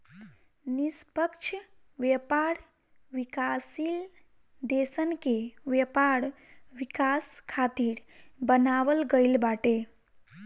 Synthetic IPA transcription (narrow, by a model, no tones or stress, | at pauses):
nispəkt͡ʃʰ | ʋepaɾ | ʋikasil | d̪esənkewjepaɾ | wikaskʰat̪iɾbənaʋəlɡəɪlbaʈe